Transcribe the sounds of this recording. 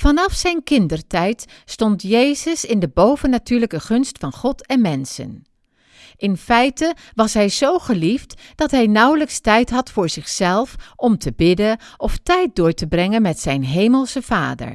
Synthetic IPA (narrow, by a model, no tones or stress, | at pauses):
fɑnɑfsɛjnkɪndəɹtɛjtstɔntjejzəsɪndəbowvənːatyːɹləkəχɵnstfɑnχɔtʰɛnmɛnsə̰n | ʔɪnfɛjtə | ʋɑsɦɛjzowχəliftd̥ɑtɦɛjnʌwləkstɛjtɦɑtfʊːɹz̥ɪχsɛlˠfʔɔmtəbɪdəʔɔftɛjt̚dʊːɹtəbrɛŋənmɛtsɛjnɦejməlˠsəv̥aːdə̰ɹ